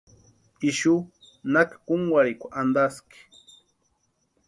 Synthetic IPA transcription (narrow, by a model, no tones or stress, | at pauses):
iʃu | nakḁkʊŋwaɾɪkʷaʔand̪askɪ̥